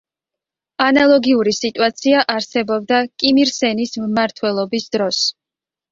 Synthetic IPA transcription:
analˠɔɡiuɾisit̪ʼuat̪sʰiaʔaɾsɛbɔb̚d̪akʼimiɾsɛnismmaɾt̪ʰwɛlˠɔbisd̪ɾɔs

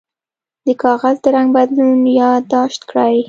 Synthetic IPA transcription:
d̪əkʰɑɣazd̪əɾaŋɡbad̪lunjɑd̪ɑʃt̪kɽaj

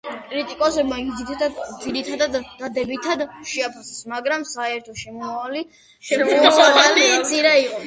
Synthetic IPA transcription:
kʼɾit̪ʼikʼɔsɛbmaid̪zit̪ʰaad̪ziɾit̪ʰad̪ad̪ːad̪ɛbit̪ʰad̪ʃɛapʰasɛsmaɡɾamsaɛɾt̪ʰɔʃɛmɔmavali | ʃɛɔmsaalit̪sʼiɾɛiqʼɔ

